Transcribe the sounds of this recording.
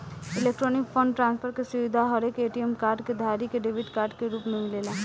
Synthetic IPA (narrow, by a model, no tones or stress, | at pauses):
ɪlek̚ʈɾɔːnɪkfʰə̃ɳɖʈɾãːnspʰəɾkesʊʋid̪ʱaɦɐɾeːkeːʈiɛmkaːɾɖked̪ʱaːɾikeɖeːʋʱiʈkaːɾɖkeɾuːpmẽmɪleːlaː